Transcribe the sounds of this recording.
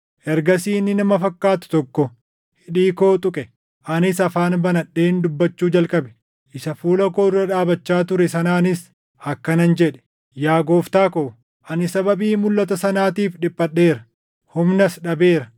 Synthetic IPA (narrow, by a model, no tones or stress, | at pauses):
ʔɛɾɡɐsiːnːɪnɐmɐfɐkːaːt̪ʊ̥t̪ɔkːɔ | hɪᶑiːko̞ːt̪ʼʊkʼɛ | ʔɐnɪsɐfaːnbɐnɐɗːe̞ːnd̪ʊbːɐt͡ʃːuːd͡ʒɐlkʼɐbɛ̥ | ʔɪsɐfuːlɐkoːrːɐᶑaːbɐt͡ʃːaːt̪ʊɾɛsɐnaːnɪs | ɐkːɐnɐnd͡ʒɛᶑɛ̥ | jaːɡo̞ːft̪aːkoː | ʔɐnɪsɐbɐbiːmʊlːɐt̪ɐsɐnaːt̪iːfᶑɪpʼːɐɗːe̞ːɾɐ | hʊmnɐsᶑɐbe̞ːɾɐ